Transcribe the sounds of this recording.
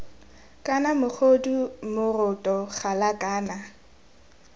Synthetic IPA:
kʼanamʊk͡xʰodumʊrʊtʼɔχalakʼaːna

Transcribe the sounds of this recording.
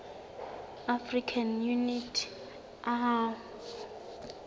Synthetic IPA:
afrikʰanjunitʰ | ʔaɦa

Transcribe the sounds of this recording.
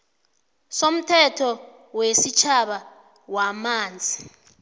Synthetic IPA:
som̩tʰɛtʰɔ | wesit͡ʃʰaɓa | wamaːnd͡zʱi

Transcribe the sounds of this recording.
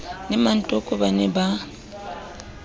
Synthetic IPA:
nɛmantʼokʼuβanɛba

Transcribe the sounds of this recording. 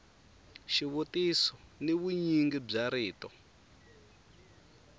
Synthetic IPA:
ʃiβutisɔneβuɲiŋɡib͡ʐaɾiːtɔ

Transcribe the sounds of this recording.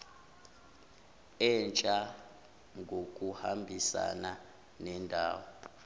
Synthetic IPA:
ɛnt͡ʃʼa | ŋɡʱokʼuhambʱisa̰na | nɛndʱaːwɔ

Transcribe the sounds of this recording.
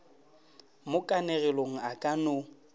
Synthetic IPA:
mʊkʼanɛɣɛloŋ̩akʼanʊ

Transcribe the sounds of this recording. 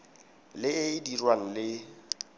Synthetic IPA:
lɪɪdirwaŋ̩lɪ

